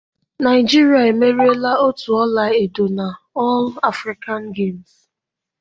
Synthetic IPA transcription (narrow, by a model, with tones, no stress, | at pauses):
na˨ɪ˨d͡ʒi˦ɾi˨a˨e˨me˦ɾi˦e˦la˦o˦tu˨ɔ˦la˨ɪe˨do˨na˨ | ɔ˦la˦fɾi˦ka˦nɡe˦˨ms